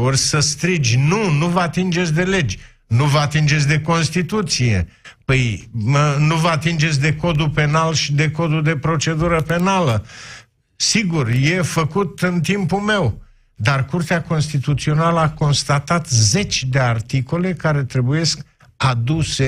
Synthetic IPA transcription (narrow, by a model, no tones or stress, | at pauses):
orʲsəst̪ɾid͡ʒʲnunuvəat̪ind͡ʒe̞t̪sʲd̪e̞le̞d͡ʒʲ | nuvəat̪ind͡ʒet̪sʲd̪e̞ko̞nst̪it̪ut̪sije̞̰pəj | nuvəat̪ind͡ʒe̞t̪s̬ʲd̪e̞ko̞d̪upe̞nalʃid̪e̞ko̞d̪ud̪e̞pɾo̞t͡ʃe̞d̪uɾəpe̞nalə | siɡurje̞fəkut̪ɨnt̪impume̞w | d̪arkurt̪eako̞nst̪it̪ut̪sio̞naləako̞nst̪at̪at̪ze̞t͡ʃʲd̪e̞art̪iko̞le̞kaɾe̞t̪ɾe̞buje̞sk | ad̪use